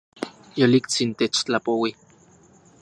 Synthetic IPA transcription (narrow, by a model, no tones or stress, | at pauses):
jolikt͡sint̪et͡ʃt͡ɬapowi